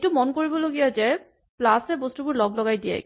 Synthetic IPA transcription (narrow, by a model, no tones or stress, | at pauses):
tumɔnkoɹibɔloɡijazɛ | plasɛbostubʊɹlɔɡlɔɡajdiɛ̰